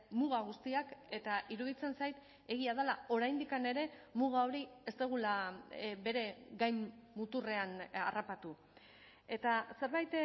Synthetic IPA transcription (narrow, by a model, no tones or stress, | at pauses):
muɣaɣ̞ust̪iake̞t̪aʔiɾuðit͡se̞nsajt̪ | e̞ɣ̞iaðalao̞ɾajnd̪ikane̞ɾe̞muɣ̞ao̞ɾie̞st̪eɣ̞ulabe̞ɾe̞ɡajmːut̪ure̞anarapat̪u | e̞t̪ase̞ɾβajt̪